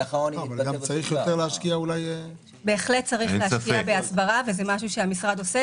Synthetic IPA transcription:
onavalɡamt͡saʁiχjot̪eʁleaʃkiaulaj | be̞ːχlet̚t͡saʁiχleakiabeasbaʁavezemaʃuʃeamisʁad̪o̞se

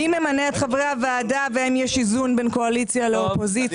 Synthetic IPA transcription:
imemaneːt̪χavʁeavaːdaveemjeʃizunbe̞nko̞alit͡sjaleopo̞zi

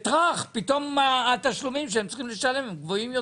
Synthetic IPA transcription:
t̪ʁaχpit̪o̞maːt̪aʃlumimʃ̬eemtt͡si̥χimleʃale̞mmɡvo̞imjo

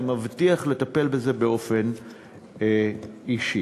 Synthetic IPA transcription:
mavt̪iaχle̞t̪ape̞lbeze̞beo̞fe̞n | iʃi

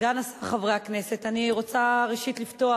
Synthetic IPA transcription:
danasaχavʁeakne̞se̞t̪aniʁo̞t͡saʁeʃit̪lifto̞a

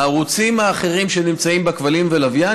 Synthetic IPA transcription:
aʁut͡simaːχe̞ʁimʃe̞nimt͡saimbekvalimvelavja

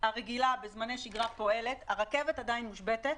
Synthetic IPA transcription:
haʁeɡilabezmane̞jʃiɡʁapo̞e̞le̞t̪haʁakevetad̪ainmuʃbetet̪̚

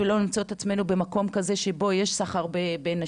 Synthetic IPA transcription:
elo̞nimt͡saot̪at͡sme̞nube̞mako̞mkaze̞ʃebo̞je̞ʃsaχaʁbe̞be̞na

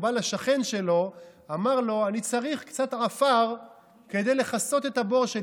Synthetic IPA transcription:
balaʃaχe̞nʃe̞lo̞amaʁlo̞anit͡saʁiχkt͡sat̪ʕafaʁ | ke̞d̪e̞jle̞χaso̞t̪e̞t̪abo̞ʁʃe

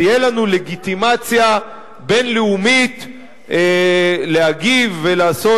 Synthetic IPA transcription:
ijelanuleɡit̪imat͡sja | be̞nleumit̪ | leaɡivːelaːso̞

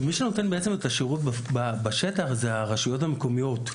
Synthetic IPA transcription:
miʃeno̞te̞nbeet͡se̞metaʃeʁut̚bababaʃetaχzeaʁaʃujo̞thameko̞mijo̞t

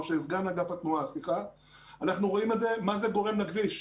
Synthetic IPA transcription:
oʃeizɡanaɡafat̪nuasliχa | anaχnuʁo̞imedze̞mazeɡo̞ʁe̞mlaɡviʃ

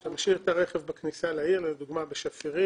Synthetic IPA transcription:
amʃiʁet̪aʁeχevbaknisalaiʁled̪uɡmabeʃafiʁi

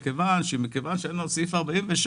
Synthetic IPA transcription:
kevanʃmikevanʃeenosifaʁbaimveʃ

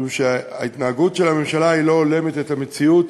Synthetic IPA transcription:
uʃeaitnaːɡutʃe̞lame̞mʃalailo̞ːle̞metetame̞t͡siut

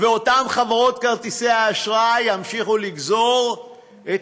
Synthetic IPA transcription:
veo̞tamχavaʁo̞t̪kaʁt̪iseaːʃʁajjamʃiχuliɡzo̞ʁ | e

